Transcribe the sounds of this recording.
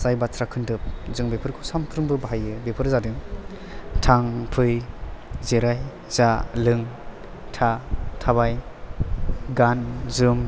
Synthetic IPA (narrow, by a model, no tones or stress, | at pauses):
sajbatʰɾakʰɯndɯp̚zɯŋbepʰɯɾkʰɯsampʰɾɯŋbɯbaɦajɯbepʰɯɾzadɯŋ | tʰaŋpʰɯj | zeɾaj | z̥alɯŋ | tʰatʰaβaj | ɡanzɯm